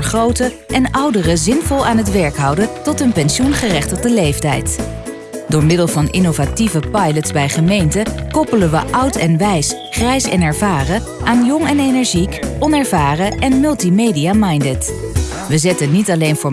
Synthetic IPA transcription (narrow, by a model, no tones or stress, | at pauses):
χrowtə | ʔɛnʌwdərəzɪnvɔlˠaːnɦətʋɛɹkɦɑwdəntɔtɦɵnpɛnʃunχərɛχtəʁdəlejftɛjt | dʊːɹmɪdəlˠvɑnʔɪnowvativəpɑjlətzbɛjχəmejntəkɔpələnʋəʔɑwtɛnʋɛjs | χrɛjsɛ̰nɛɹvaːrə | ʔaːnjɔŋɛnejnɛɹʒikɔnɛɹvaːrəʔɛnmɵlˠtimejdijamɑjndɛt | ʋəzɛtənːitɑlejnvʊː